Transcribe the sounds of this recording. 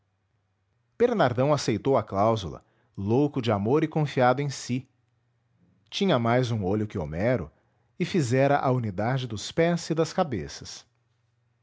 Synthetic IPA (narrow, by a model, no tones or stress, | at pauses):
b̥eɾnaɾd̪ɐ̃w̃asejt̪owɐklawzulɐ̰ | lowkʊd͡ʒɪamoɾɪkõfiad̪ʊẽj̃si | t͡ʃĩɲɐmajzũoʎʊkɪo̰mɛɾʊ | ɪfizɛɾɐʔaunid̪ad͡ʒɪd̪ʊspɛzɪd̪ɐskabesɐs